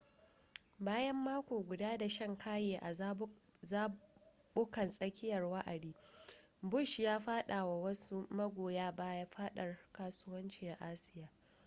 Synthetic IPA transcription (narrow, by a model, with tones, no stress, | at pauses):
baː˦jɐ˦mːaː˦kʷoː˨ɡʷʊ˨daː˦da˨ʃɐ˦ŋkʰaː˦jeː˨ʔa˨ | zaː˦ | bʊ˦kɐ˨nsʼɐ˦kʲɪ˦jɐ˨rwɐ˦ʔa˨diː˦ | bʊ˦˨ʃjaː˦ɸaː˦ɗa˨wa˨wɐ˦su˦mɐ˦ɡʷoː˨jaː˦baː˦jaː˦ɸaː˦ɗɐ˨rkaː˦sʊ˦wɐ˦nt͡ʃiː˨a˨ʔa˦sɪ̥˦jaː˨